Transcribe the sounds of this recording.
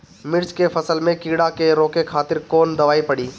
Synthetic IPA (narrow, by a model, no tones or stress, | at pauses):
mɪɾt͡ʃkefɐsəlmẽkiːɽakeɾoːkekʰaːt̪ɪɾkoːnd̪ɐʋaːipɐɽiː